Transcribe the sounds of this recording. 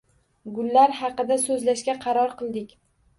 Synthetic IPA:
ɡʊlːaɾhɑqɨd̪asɵzlaʃkʲaqʰɑɾɒɾqʰɨlˠd̪ɪkʲ

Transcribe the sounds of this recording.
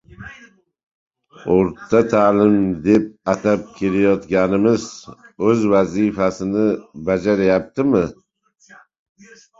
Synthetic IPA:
oɾt̪ʰːat̪ʰaːlɪmd̪e̞p̚at̪ʰap̚kʲʰe̞lajɒt̪ɡʲanɪmɪzɵzvazifasɪnɪbad͡ʒaɾajap̚t̪ʰɪmɪ

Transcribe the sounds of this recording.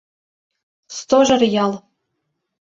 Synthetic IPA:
st̪oʒɤ̆rjɑlˠ

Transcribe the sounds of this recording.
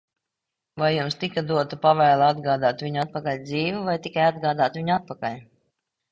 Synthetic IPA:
vajːumst̪ikad̪uɔt̪upavɛːlˠaad̪ɡaːd̪aːt̪viɲuat̪̚pakalʲd̪ziːvuvajt̪ikajad̪ɡaːd̪aːt̪viɲuat̪̚pakalʲ

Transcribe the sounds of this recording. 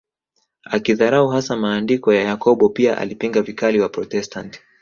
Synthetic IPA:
akiðaɾauɦasamaːndikɔjajakɔɓɔpiaʔa̰lipiŋɡavikaliwapɾɔtɛstanti̥

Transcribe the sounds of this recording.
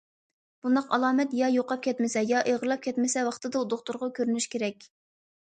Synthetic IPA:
b̥und̪ɑqɑlˠɑːmɛt̪jɑjoqɑp̚kʲʰɛt̪mɪsɛjɑʔeʁəlˠɑp̚kʲʰɛt̪mɪsɛwɑχt̪ɨd̪ɑud̪oχt̪ʊɾʁɑkʲʰøɾynyʃkʲʰeɾɛkʲ

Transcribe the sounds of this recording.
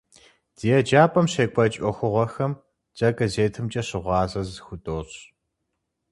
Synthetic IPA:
d̥ijɛd͡ʒaːpʼɐmɕeːkʷʼɐt͡ʃʼɔxʷʊʁʷɔxɐm | d͡ʒʼɐɡɐzeːtʰɨmt͡ʃʼɐɕɪʁʷɑːzɐzxʷʊdʼoːɕ

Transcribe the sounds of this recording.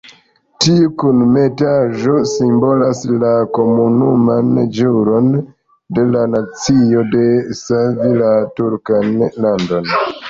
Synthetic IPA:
tiukunmetaʒo̞simbo̞laslako̞munumand͡ʒuɾo̞n | de̞lanat͡sio̞de̞savilatuɾkanlando̞n

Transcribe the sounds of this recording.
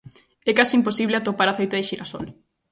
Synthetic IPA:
ɛkasimposiβleat̪opaɾaθejt̪eðeʃiɾaso̰l

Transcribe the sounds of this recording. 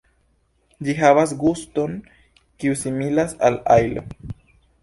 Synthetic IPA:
d͡ʒiɦavas̬ɡusto̞n | kiusimilasalajlo̰

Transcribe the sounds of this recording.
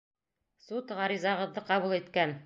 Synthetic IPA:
sut̪ʁɑɾizɑʁɤ̆ðːɤqɑβulˠit̪kæn

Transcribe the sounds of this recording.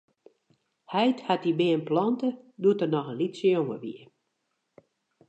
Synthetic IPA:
hɛjthatibɪənplɔntəduətərnɔxənlitsəjoŋəʋḭə

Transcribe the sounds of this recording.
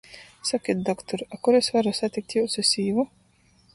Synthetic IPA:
sakʲit̪̚d̪ɔkt̪ɔɾakuɾesvaɾusat̪ʲik̚t̪ʲjuwsisʲiːvu

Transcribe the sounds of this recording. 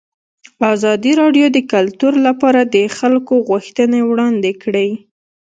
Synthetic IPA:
ɑzɑd̪iɾɑɖjod̪əkalt̪uɾlapɑɾad̪əxalkoɣʊxt̪ənewɽɑnd̪ekɽəj

